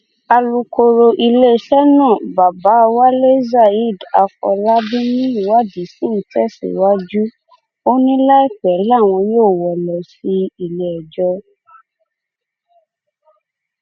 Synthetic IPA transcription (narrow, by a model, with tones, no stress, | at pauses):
a˧lu˧ko˧ɾo˧ʔi˧le˦˨ʃɛ˦nãː˦˨ba˨ba˨˦˧wa˦le˦za˦˨i˦˨da˧kɔ̰˧la˦bi˦nĩ˦i˦˨wa˦di˨˦si˦n̩˨˦tɛ˦sḭ˨wa˦d͡ʒu˦ | o˦nĩ˦la˦i˦k͡pɛ˨˦la˦˨w̃ɔ̃˧joː˦˨wɔ˨lɔ˨si˧˦i˧le˦ɛ˨d͡ʒɔ˦